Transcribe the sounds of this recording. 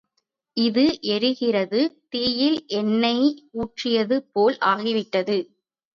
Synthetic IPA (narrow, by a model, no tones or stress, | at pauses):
ʔɪðɯʔɛɾɯɣɪrɐðɯt̪eːjɪlʔɛnːɐɪuːʈrɪjɐðɯpoːlʔaːɣɪʋɪʈːɐðɯ